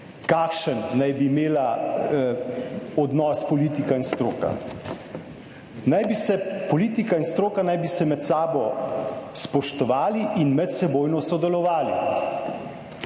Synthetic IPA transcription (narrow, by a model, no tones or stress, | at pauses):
kaːkʃənːajbiːmeːla | ɔd̪nɔːspɔliːt̪ikainst̪ɾoːka̰ | najbisɛpɔliːt̪ikainst̪ɾoːkanajbisɛmɛt̪saːbɔ | spɔʃt̪ɔʋaːliʔinmɛt̪sɛboːjnɔsɔd̪ɛlɔʋaːlḭ